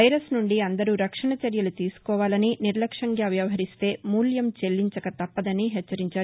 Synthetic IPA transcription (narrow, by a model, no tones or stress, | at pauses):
ɐjɾɐsnuɳɖiɐnd̪ɐɾuːɾɐkʂɐɳɐt͡ʃɐɾjɐlut̪iːsu̥kɔːʋaːlɐniniɾlɐkʂɐŋɡaːʋjɐʋɐɦɐɾist̪e̞ːmuːljɐmt͡ʃe̞lːiɲt͡ʃɐkɐt̪ɐpːɐd̪ɐniɦɛt͡ʃːɐɾiɲt͡ʃaːɾ